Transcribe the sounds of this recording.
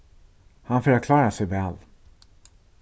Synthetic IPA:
hanfœːɾakʰlɑːɾasɛjvɛːl

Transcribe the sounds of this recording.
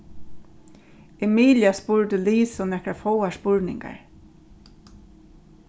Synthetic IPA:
ɛmiːljaspʊɹd̪əliːsɔnɛhkɹafowaspʊɹnɪ̰ŋka̰ɹ

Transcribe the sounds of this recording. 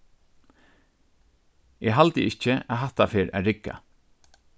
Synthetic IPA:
ɛɦalt̪əʔɪt͡ʃəaɦaht̪afeːɹæ̰ɹɪkːa̰

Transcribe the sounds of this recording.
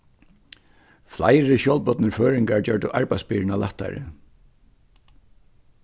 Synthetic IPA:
fla̰jɾɪɕjɔlpɔt̪nəɹføːɹɪŋkaɹt͡ɕœɹd̪əʔaɹpajspiːɹɪnalaht̪ːa̰ɹɪ̰

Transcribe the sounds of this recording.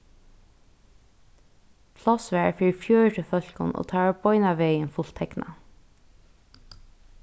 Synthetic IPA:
pʰlɔsʋɛːfiːfjøːɹʈʰɪfœl̥kʊ̰no̰t̪ʰɑːabɔʏnaʋeːjɪnfʊl̥t̪ʰɛkna̰

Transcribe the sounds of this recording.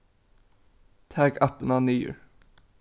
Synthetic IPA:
t̪ʰæːɡɑpənɑnyːə̰ɹ

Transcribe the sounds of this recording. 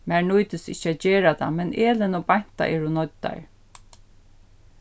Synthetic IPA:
mæːɹɳujt̪ɪsɪ̰ht͡ɕːəæt̪d͡ʑeːɹat̪ʰa̰mɛnʔeːlɪnɔbaɲ̥t̪a̰ʔɛːɹunɔt̪ːa̰ɹ

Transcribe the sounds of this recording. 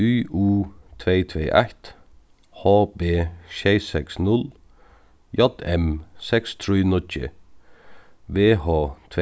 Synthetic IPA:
yːʔuːt̪ʰʋeɪt̪ʰʋḛːʔæ̰ht̪ | hoːbeːʃɛɪsɛksnʊl | jɔd̪ɛmsɛkst̪ʰɾyːnɔcə̰ | ʋeːhoːt̪ʰʋ

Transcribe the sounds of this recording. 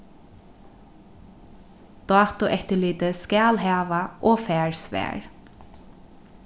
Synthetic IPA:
d̪̥ɑːt̪ʊʔɛt̪əɭyːd̪əskɑlhɑːʋɑʔoːfæːɹsʋæ̰ːɹ

